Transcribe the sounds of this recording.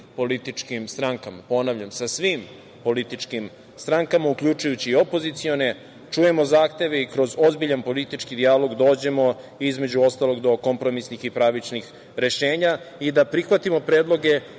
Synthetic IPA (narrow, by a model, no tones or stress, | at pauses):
po̞lit̪it͡ʂkimst̪ɾaŋkamapo̞naʋʎamsasʋim | po̞lit̪it͡ʃkim | st̪ɾaŋkamaukʎut͡ʃujut͡ɕiːo̞po̞zit̪sio̞ne̞ | t͡ʃuje̞mo̞zaːxt̪e̞ʋe̞ikɾo̞zo̞zbiʎanpo̞lit̪it͡ʃkid̪ialˠo̞ɡd̪o̞ːd͡ʑe̞mo̞ | izme̞d͡ʑuo̞st̪alo̞ɡd̪o̞ko̞mpɾo̞misnixipɾaʋit͡ʃnix | ɾe̞ʃe̞ːɲa | id̪apɾixʋat̪imo̞pɾeːd̪lˠo̞ɡe